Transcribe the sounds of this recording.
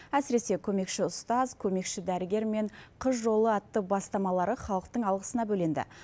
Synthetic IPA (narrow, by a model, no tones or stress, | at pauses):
æsɪɾe̞se̞kʲʰɵme̞kʃɪʊst̪ɑzkʲʰɵme̞kʃɪd̪æɾɪɡʲe̞ɾme̞ɴqʰəzʒo̞lˠəɑt̪ːəbɑst̪ɑmɑlˠɑɾəχɑlˠəq̚t̪əɴɑlˠʁəsənɑbɵlend̪ɪ̰